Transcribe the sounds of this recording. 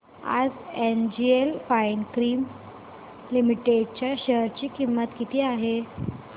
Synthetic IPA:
a̰d͡zend͡ʑielfainkɾiːm | limiʈeɖ̚t͡ɕjaɕəɦəɾt͡ɕiːkimːət̪kit̪ʰiːaɦe

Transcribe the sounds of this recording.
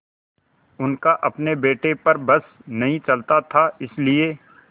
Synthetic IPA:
ʊnkaʔɐpnebeːʈepɐɾbɐsnɐɦĩt͡ʃɐlt̪at̪ʰaɪslieː

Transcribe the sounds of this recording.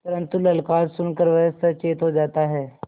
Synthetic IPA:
t̪ɐɾə̃nt̪ulɐlkaːɾsʊnkəɾʋɐəsɐt͡ʃeːt̪ɦod͡ʒaːt̪aɦɛː

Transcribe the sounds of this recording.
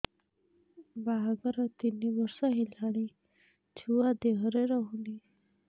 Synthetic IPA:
baɦaɡəɾat̪inːiʋəɾsaɦilaɽ̃i | t͡ɕʰuwad̪eɦəɾeɾɔɦuni

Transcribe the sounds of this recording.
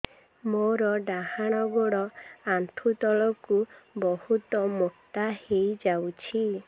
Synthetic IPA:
moɾɔɖaɦaɽ̃ɔɡɔɽɔant̪ʰut̪ɔɭɔkubɔhut̪ɔmukt̪ahejd͡ʒawt͡ʃʰi

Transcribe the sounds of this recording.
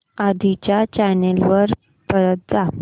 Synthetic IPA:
ad̪ʱit͡ɕjat͡ɕajnelʋəɾ | pəɾət̪̚d͡za

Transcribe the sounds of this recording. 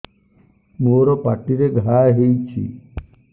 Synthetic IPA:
moɾɔpaʈiɾeɡʱaɦejt͡ʃʰḭ

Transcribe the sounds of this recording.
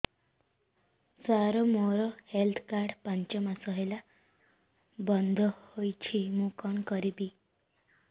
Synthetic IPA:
d͡zaɾomoɾɔhelt̪ʰkaɾɖpãɲt͡ɕɔmasəɦela | bənd̪ʱəhojt͡ɕʰimũkɔnkʌɾibi

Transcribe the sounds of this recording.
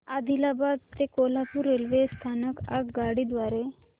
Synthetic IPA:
ad̪ʱilabad̪t̪ːekolapuɾelʋest̪ʰanəka̰kɡaɽiːd̪ʋaɾe

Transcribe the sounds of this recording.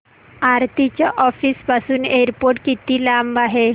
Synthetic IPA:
aɾt̪it͡ɕaʔɔfiːspasuːneɾpoɾʈkit̪iːlambaɦe

